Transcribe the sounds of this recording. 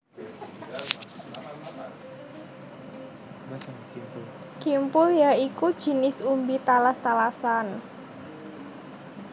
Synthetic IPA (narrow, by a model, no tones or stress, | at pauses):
kimpʊljaikud̥ʒ̥i̤nɪsumbit̪alast̪alasan